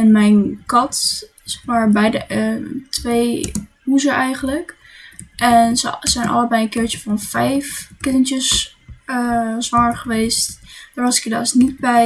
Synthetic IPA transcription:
ɛnmɛjnkɑt | sɛχmaːɹbɛjdətʋej | ɦuzəʔɛjχənlək | ʔɛnzəz̥ɛjnʔɑ̰ləbɛjənkɪːɹt͡ʃəvɑnfɛjfkɪnəntəs | əzʋɑŋəɹχəʋejstd̥aːɹʋɑsɪ̥kəda̰ːsnit̚bɛj

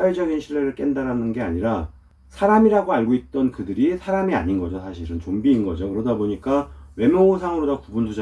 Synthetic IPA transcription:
aɭd͡ʑʌɡinɕʰiɭːe̞ɾɯɭk͈e̞ndaɾanɯnɡe̞aɲiɾa | sʰaɾamiɾaɡoaɭɡoit̚t͈ʌnkɯdɯɾisʰaɾamia̰ɲinɡʌd͡ʑosʰaɕʰiɾɯnt͡ɕombiːnɡʌd͡ʑokɯɾʌdaboɲik͈awe̞mjʌosʰaŋɯɾodakubuntʰud͡ʑa

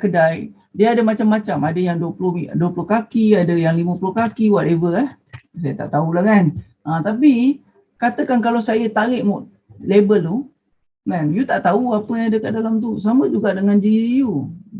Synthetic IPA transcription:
kədaj | diəadəmat͡ʃamːat͡ʃamadəjaŋduəpulʊhduəpulʊhkakiadəjaŋlimə̃pulʊhkakiwaʔlevəlɛhsajət̪a̰ʔt̪aulakan | ʔat̪api | kat̪əkankalawsajət̪aɾɪʔmɔʔ | lebəlt̪u | mɛ̃njut̪aʔt̪auapəjãŋadəkaʔdalamt̪us̬aməd͡ʒuɡaʔdəŋand͡ʒiju

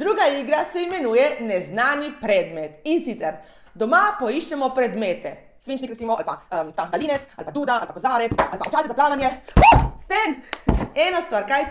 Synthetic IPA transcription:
d̪ɾuːɡaiɡɾasɛimɛnuːjɛnɛznaːnjipɾɛːd̪mɛt̪insit̪sɛɾ | d̪ɔmapɔiʃt͡ʃɛmɔpɾɛd̪meːt̪ɛ̰ | sʋint͡ʃnikɾɛt̪iːmɔa̰lpaəmt̪ad̪aliːnɛt̪sa̰lpad̪uːd̪aalpakɔzaːɾɛt̪salpaɔt͡ʃaːlt̪ɛzaplaːʋanjɛot̪ɛnɛːnɔst̪ʋaɾkaj

